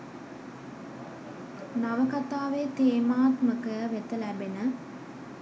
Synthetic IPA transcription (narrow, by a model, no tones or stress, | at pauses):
naʋəkat̪aːʋeːt̪eːmaːt̪məkəʋet̪əlæbenə